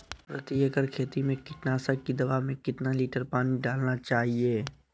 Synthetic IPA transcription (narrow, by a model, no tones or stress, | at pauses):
pɾɐt̪ijəkəɾkʰeːt̪imẽkɪʈnaːsəkːid̪ɐbaːmẽkɪt̪naliːʈəɾpaːniɖaːlnat͡ʃaːɦieː